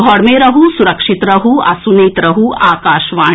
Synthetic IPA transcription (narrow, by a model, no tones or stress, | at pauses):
ɡʱɔːɽmeɾɐɦusuɾɐkʂit̪ɾɐɦuɐ̰suneːt̪ɾɐɦuʔaːkaːʃʋaː